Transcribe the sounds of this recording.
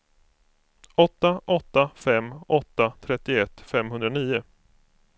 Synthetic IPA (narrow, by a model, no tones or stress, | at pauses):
ɔt̪ːaʔɔt̪ːafɛmːʔɔt̪ːat̪ʰɾɛt̪ːɪɛt̪ːfɛmɦɵnd̪ɾaniːʊ